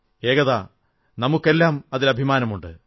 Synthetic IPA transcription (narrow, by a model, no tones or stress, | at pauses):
e̞ːɣɐðaː | nɐmukːe̞lːaːmɐðilɐbʱimaːnɐmuɳɖɨ